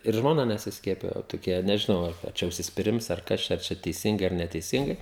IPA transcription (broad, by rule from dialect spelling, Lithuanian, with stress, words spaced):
ɪr ʒmoːˈnɐ nʲɛsʲɪsʲˈkʲiɛpʲɪjoː toːˈkʲiɛ nʲɛʒʲɪˈnɐʊ ˈɐr ɐ ˈt͡ʃʲɛ ʊʃʲsʲɪsʲpʲɪˈrʲɪms ɐr ˈkɐs t͡ʃʲɛ ɐr ˈt͡ʃʲɛ tʲɛɪˈsʲɪŋɡɐɪ ɐr nʲɛtʲɛɪˈsʲɪŋɡɐɪ